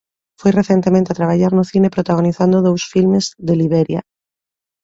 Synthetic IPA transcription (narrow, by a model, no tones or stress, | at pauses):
fojreθjent̪emẽnt̪eat̪ɾaβ̞aʎaɾnʊθinepɾot̪aɣ̞oniθand̪oðowsfilmezðeliβeɾja̰